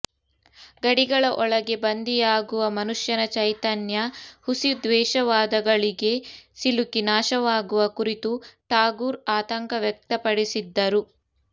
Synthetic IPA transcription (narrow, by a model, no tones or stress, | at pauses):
ɡɐɽiɡɐɭɐʔɔɭɐɡe̞bɐnd̪ijaːɡuʋɐmɐnuʂjɐnɐt͡ʃɐjt̪ɐnjɐhusid̪ʋɛːʃɐʋaːd̪ɐɡɐɭiɡe̞silukinaːʃɐʋaːɡuʋɐkuɾit̪uʈaːɡuːɾaːt̪ɐŋkɐʋjɛk̚t̪ɐpɐɽisid̪ːɐɾu